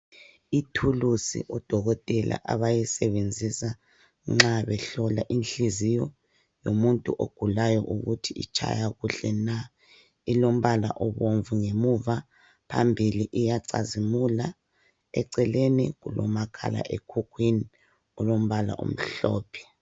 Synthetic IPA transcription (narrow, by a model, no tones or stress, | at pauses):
itʰulusḭʔɔd̥ʱɔɣɔtʼɛlʔa̰ʔaβajisɛβend͡zʱisa | ŋ͡ǁaβɛɬɔlaʔinɬizijɔ | jomuntʼṵʔoɡ̥ʱulajɔ̰ʔuɣutʰiḭt͡ʃʰʼa̰jaɣuɬɛna | ilom̩βala̰ʔɔβoɱvuŋemuva | pʰa̰mbʱiliʔijaǀa̰zimula | ɛǀɛleniɣulɔmakʰa̰la̰ʔekʰukʰwini | ɔlom̩βala̰ʔṵm̩ɬɔːpʰɛ̥